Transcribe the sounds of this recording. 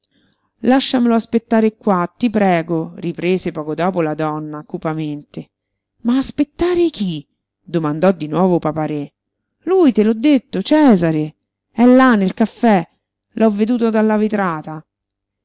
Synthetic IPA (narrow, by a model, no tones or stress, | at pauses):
laʃːameloaspet̪ːaːɾekːwat̪ːipɾɛːɡoripɾeːzepɔːkod̪ɔːpolad̪ɔnːakupament̪e | maːspet̪ːaːɾek̟i | d̪omand̪ɔd̪ːinwɔːvopapaɾɛ | lujt̪elɔd̪ːet̪ːot͡ʃɛːzaɾe | ɛlːanːelkafːɛ | lʔɔvːed̪uːt̪od̪alːavet̪ɾaːt̪a